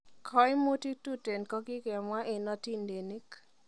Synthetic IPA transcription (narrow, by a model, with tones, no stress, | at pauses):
kʰɔ˦jmu˦ti˦tu˦te˨nkɔ˦ɡi˦ɡɛ˨ma˦ʔɪ˨nɔ˦ti˦nde˨ni˦k